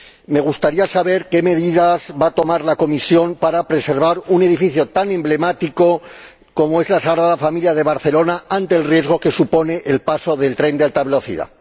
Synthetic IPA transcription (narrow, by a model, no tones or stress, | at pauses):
me̞ɣ̞ust̪aɾiasaβ̞e̞ɾke̞me̞ðiðazβat̪o̞maɾlako̞misjo̞mpaɾapɾe̞se̞ɾβaɾune̞ðifiθjo̞t̪anẽ̞mble̞mat̪iko̞ | ko̞moe̞zlasaɣɾaðafamiljað̞e̞β̞aɾθe̞lo̞naant̪e̞ːlrje̞zɣo̞ke̞supo̞ne̞ʔelpaso̞ðe̞lt̪ɾe̞nd̪ealt̪aβe̞lo̞θḭða̰